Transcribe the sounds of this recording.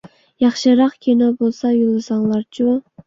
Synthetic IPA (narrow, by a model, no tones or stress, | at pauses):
jɑχʃɨɾɑqkʲʰinobolˠsɑjulˠɨsɑŋlˠɑɾt͡ʃʰu